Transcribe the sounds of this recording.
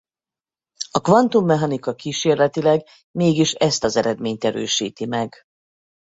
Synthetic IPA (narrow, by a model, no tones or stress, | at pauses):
ɒkʋɒnt̪umːɛɦɒnikɒkiːʃeːrlɛt̪ilɛɡ | meːɡiʃɛst̪ɒzɛɾɛd̪meːɲt̪ɛɾø̰ːʃḭːt̪imɛɡ